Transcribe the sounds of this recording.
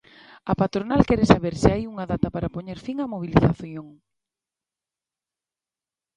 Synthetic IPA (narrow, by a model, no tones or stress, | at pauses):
ɐpat̪ɾonalkɛɾesaβeɾsɪajuŋɐðat̪ɐpaɾapoɲeɾfiŋamoβ̞iliθaθjoŋ